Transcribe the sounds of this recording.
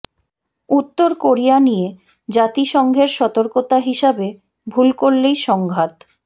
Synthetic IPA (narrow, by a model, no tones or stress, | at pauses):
ut̪ːoɾkoɾijanije | d͡ʑat̪iʃɔŋɡʱeɾʃɔt̪oɾkot̪aɦiʃabe | bʱulkoɾlejʃɔŋɡʱat̪